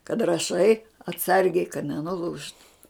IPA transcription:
kɐt rɐˈʃɐɪ ɐtˈsɐrʲɡʲɛɪ kɐt nʲɛnʊˈlˠuːʃtʊ

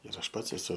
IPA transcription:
ɪr ˈɐʃ ˈpɐts ɛˈsʊ

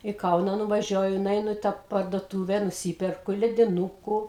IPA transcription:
iː ˈkɐʊnɑː nʊʋɐˈʒʲuɔjʊ nʊˈɛɪnʊ ɪ tɑː pɐrduɔtuːʋʲɛ nʊˈsʲiːpʲɛrkʊ lʲɛdʲɪˈnuːkʊ

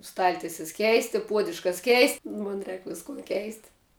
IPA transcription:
ˈstɐlʲtʲɪsʲɛs ˈkʲɛɪsʲtʲɪ ˈpuɔdʲʊʃkɐs ˈkʲɛɪsʲtʲɪ ˈmoːn ˈrʲɛːk ˈʋʲɪskʊn ˈkʲɛɪsʲtʲɪ

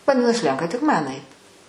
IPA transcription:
ʋɐˈdʲɪnɐs ˈlʲɛŋkɐ tʲɪk ˈmɐn ˈɐɪt

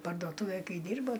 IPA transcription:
pɐrdoːˈtʊʋʲeːj ˈkɐɪ ˈdʲiːrboː

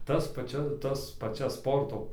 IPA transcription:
ˈtɐs pɐˈt͡ʃʲɛ ˈtɐs pɐˈt͡ʃʲɛs ˈspoːrtoː

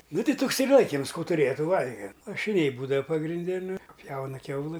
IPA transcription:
ˈnʊ ˈtʲɛɪ ˈtʊks ɪr ˈlˠɐɪkʲɪms ˈkuː tʊˈrʲeːjɛ ˈtuː ˈʋɐlʲɡʲɛm lˠɐʃʲɪˈnʲɛɪ ˈbuːdɐʋɐ pɐɡrʲɪnʲˈdʲɛ nʊ ˈpʲjɛʊnɐ ˈkʲɛʊlˠɨ

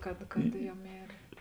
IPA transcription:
kɐt ˈjɛʊ ˈmʲeːrʲeː

